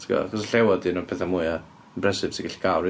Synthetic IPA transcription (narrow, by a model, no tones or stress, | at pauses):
tʰŋɡɔ̰a̰χɔsəɬɛwɔdinupʰɛθamuɨa | mbrɛsɪv̥siɡɛɬi̥ɡ̥awɾ